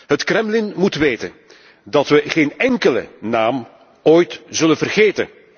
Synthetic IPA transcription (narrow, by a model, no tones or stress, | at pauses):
ɦətkrɛmlɪnmutʋeːtən | dɑtʋəɣeːnɛŋkələ̰naːm | oːjtz̥ɵlənvərɣeːtə̰n